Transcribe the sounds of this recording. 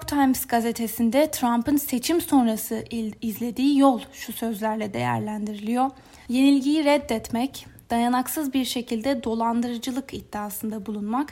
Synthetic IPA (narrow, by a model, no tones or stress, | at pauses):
kt̪ʰajmzɡazet̪ʰe̞sind̪ɛt̪ʰɾampɯnse̞t͡ʃʰimso̞nɾasɯizlʲe̞d̪iːjolˠʃusø̞zlʲæɾlʲɛd̪e̞̰jæ̰ɾlʲænd̪iɾilʲijo̞ | je̞nilʲɟijiɾɛd̪ːɛt̪mɛcd̪̥ajanaksɯzbiɾʃe̞cʰilʲd̪ɛd̪o̞lˠand̪ɯɾɯd͡ʒɯlˠɯkid̪̥ːiːsɯnd̪abulˠunmak